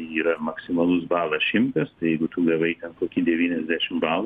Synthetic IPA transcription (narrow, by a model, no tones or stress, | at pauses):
iːɾɐmɐksʲɪmɐlˠʊsbɑːlˠɐsʃʲɪmʲt̪ɐst̪ɐɪjɛɪɡʊt̪uɡɐʋɐɪt̪ʲɛnkoːkʲid̪ʲɛʋʲiːnʲɛzʲd̪ʲæːʃʲɪmbɑːlˠ